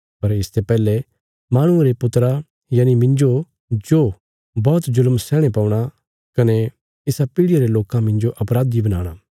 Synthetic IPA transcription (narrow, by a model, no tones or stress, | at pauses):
pɐɾɪst̪ʰepɛːle | maːɽ̃ʊ̃eɾepʊt̪ɾa | jaːnimɪ̃nd͡ʒo | d͡ʒoː | bɔːt̪zʊlmsɛːɽ̃epɐ̃ːʊɽ̃a | kɐne | ɪsapiːɽɪjaɾeloːkãmɪ̃nd͡ʒoʔɐpɾaːd̪ibɐna̰ːɽ̃a